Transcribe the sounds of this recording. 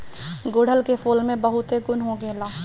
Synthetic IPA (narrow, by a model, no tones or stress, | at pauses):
ɡoːɽ̤ʱəlkefʰoːlmẽbəɦʊt̪ɦeɡʊnɦõɡeːlaː